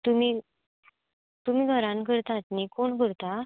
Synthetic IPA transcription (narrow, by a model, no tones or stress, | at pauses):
t̪umi | t̪umiːɡʱəɾãnkəɾt̪at̪nikoɳkəɾt̪a